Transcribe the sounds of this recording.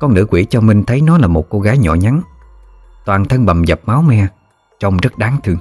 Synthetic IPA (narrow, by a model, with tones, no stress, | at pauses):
kɔ˧nnɨ̰˧˥kwḭ˧˩t͡ɕɔ˧mï˧ŋ̟t̪ʰə˨˦jnɔ˨˦laː˨˩mo˨˩t̚ko˧ɣaː˨˦jɲɔ̰˧˨ɲa˨˦n | t̪waː˨˩nt̪ʰə˧nɓa˨˩mzə˨˩p̚ma˨˦wmɛ˧ | t͡ɕə˧wŋ͡mzə˦˥t̚ɗaː˨˦ŋt̪ʰɨ˧əŋ